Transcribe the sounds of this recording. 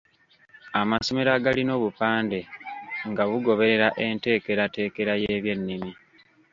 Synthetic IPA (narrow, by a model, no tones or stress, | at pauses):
amaso̞me̞ɾaɡalino̞ːβupaːnde̞ŋɡaɣuɡo̞βe̞ɾe̞ɾaʔe̞nte̞ːke̞ɾate̞ːke̞ɾajeːβje̞nːimi